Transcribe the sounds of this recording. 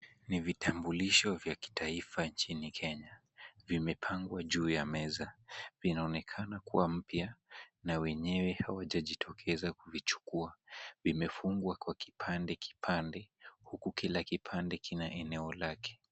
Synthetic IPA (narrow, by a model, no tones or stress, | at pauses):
nivitʰambuliʃɔvjaki̥tʰaifaɲt͡ʃinikʰɛɲa | vimɛpʰaŋɡwaʄuːjamɛzavinaɔnɛkʰanakuwam̩pjanawɛɲɛwɛhawaʄaʄitʰɔkʰɛzakuvit͡ʃu̥kuavimɛfuŋɡwakwaki̥pʰandɛki̥pʰandɛhukukilakipʰandɛkinaʔɛnɛɔlakɛ̥